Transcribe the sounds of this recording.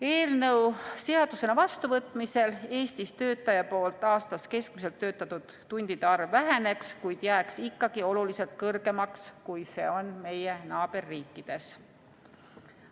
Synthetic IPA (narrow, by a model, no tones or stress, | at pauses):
e̞ːlnɤwse̞ɑd̪̥use̞nɑvɑst̪uvɤt̪ːˑmise̞le̞ːst̪ist̪ø̞ːt̪ːˑɑjɑpo̞ːlt̪ːˑɑːst̪ɑske̞skmis̬e̞lt̪ːø̞ːt̪ːˑɑt̪ːud̪̥ːunʲd̪̥id̪̥eɑrvːæɦe̞ne̞kskujd̪̥jæːksikːɑɡ̥io̞lulise̞lt̪̚kɤrɡ̥e̞mɑkskujse̞̰ːo̞nme̞jenɑːb̥e̞rːiːkːˑid̪̥e̞s